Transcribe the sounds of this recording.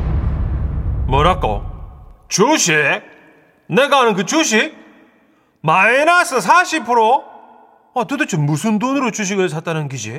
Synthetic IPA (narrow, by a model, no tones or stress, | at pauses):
mʌɾak͈o̰ | t͡ɕuɕʰe | neɡaɦanɯnkɯt͡ɕuɕ̬ʰik̚ | maenasʰɯsʰaɕʰipʰɯɾo | atɯdɯt͡ɕʰɯmusʰɯndonɯɾot͡ɕuɕ̬iɡɯɭs̬ʰat͈anɯnkid͡ʑi